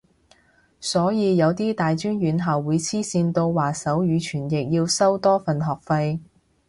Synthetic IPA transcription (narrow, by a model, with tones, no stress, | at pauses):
sɔː˨˥jiː˨˧jɐ˨˧wt̪iː˥t̪aː˨jt͡ʃyː˥njyː˨˧nɦaː˨wwuː˨˧jt͡sʰiː˥siː˧nt̪o˧wwaː˨sɐ˨˥wjyː˨˧t͡ʃʰyː˨˩njɪ˨k̚jiː˧wsɐ˥wt̪ɔː˥fɐ˨˩nɦɔː˨k̚fɐ˧j